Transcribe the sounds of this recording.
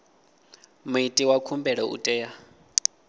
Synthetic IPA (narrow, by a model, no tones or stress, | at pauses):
muitʼiwakʰumbɛɺɛʔṵtʼɛːja